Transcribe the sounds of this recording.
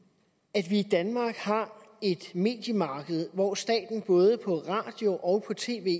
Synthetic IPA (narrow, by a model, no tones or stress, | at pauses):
æd̥ʋiːd̥ænmɑ̈ːɡ̥hɑ̈e̝d̥me̝̰ːd̥jəmɑ̈ːɡ̥əð̞̩ˠʋɒːsd̥ɛ̰ːd̥n̩b̥ɔ̽ːð̞ˠəpʰɒ̽ʁɑ̈ːd̥jo̝ʔɒ̽ʊpʰɒ̽t͡sʰe̝̰ːʋe̝̰ː